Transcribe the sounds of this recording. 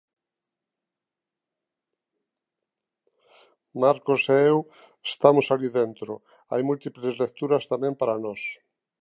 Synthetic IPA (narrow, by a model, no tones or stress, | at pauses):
maɾkoseew | est̪amosaliðent̪ɾo | a̰jmult̪iplezlek̚t̪uɾɐst̪amẽmpaɾanɔs